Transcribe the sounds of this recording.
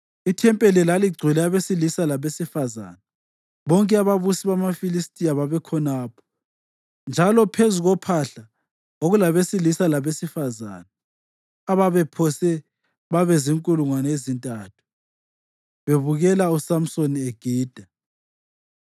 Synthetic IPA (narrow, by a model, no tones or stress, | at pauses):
itʰɛmpʼɛlɛlaliɡ͡ǀʱilɛaβesilisalaβesifaza̰ːna | βɔŋkʼɛaβaβusiβamafilistʼiaβaβɛkʰɔnaːpʰɔ̥ | nd͡ʒʱalɔpʰezuɣɔpʰaɬa | oɣulaβesilisalaβesifaza̰ːna | aβaβɛpʰɔsɛ | βaβɛziŋkʼuluŋwanaezintʼaːtʰu̥ | βeβuɣɛlausam̩sonieɡ̥ʱiːd̥ʱa